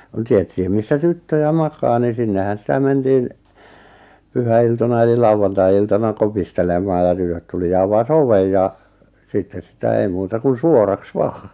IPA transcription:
k̆ŭn̆ tietːĭhim misːæ tytːøjæ mɑkɑː ni sinːehæn sĭtæ mentiːn pyhæiltonɑ eli lɑuwɑntɑiiltɑnɑ kopistelemɑː jɑ tytøt tuli jɑ ɑʋɑs oʋej jɑ sitːen̞ sitæ ei muːtɑ kun suorɑks ʋɑː

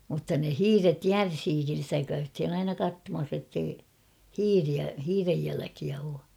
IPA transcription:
mutːɑ ne hiːret jærsiːkin̞ stæ kæythin ɑinɑ kɑtːomɑs etːei hiːriæ hiːrej jælækiæ oː

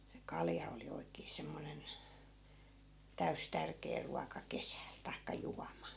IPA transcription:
se kɑljɑ oli oikeː semːonen tæys tærkeː ruɑkɑ kesæˑl tɑikːɑ juɑmɑ

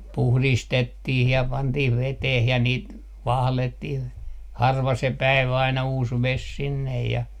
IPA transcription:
puhlistetːih jɑ pɑntih ʋeteh jɑ niːt ʋɑhletːih hɑrʋɑ se pæiʋæ ɑinɑ uːs ʋes sinːej jɑ

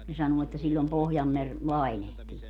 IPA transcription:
ne sɑnuː etːæ silʲːom pohjɑmːer lɑinehtiː

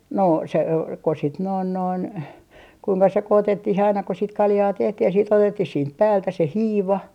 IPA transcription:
no se o ko sit noin noin kuiŋkɑ sekoːtetːih ɑinɑ ko sit kɑljɑː tehtih jɑ siːt otetːih siːnt pæːltæ se hiːʋɑ

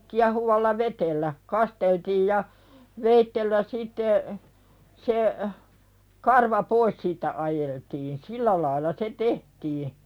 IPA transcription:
kiɑhuʋɑlːɑ ʋetelːæ kɑsteltiːj jɑ ʋeitːelːæ sitːe se kɑrʋɑ pois siːtːæ ʔɑjeltiːn silːæ lɑilːɑ se tehtiː

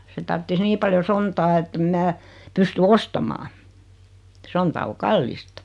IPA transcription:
se tɑrtːis niː pɑljo sontɑː etːem mæː pysty ostɑmɑː sontɑ o kɑlːistɑ

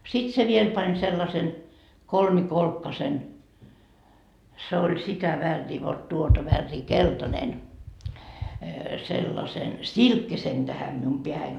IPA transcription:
sit se ʋiel pɑnʲ selːɑsen kolmikolkːɑsen se olʲ sitæ ʋærːiː ʋot tuotɑ ʋærːiː keltɑnen selːɑsen silkːisen tæhæm mium peæhæin

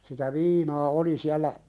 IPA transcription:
sitæ ʋiːnɑː oli siælːæ

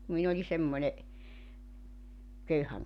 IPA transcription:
kum min olʲi semːonʲe køyhæŋ

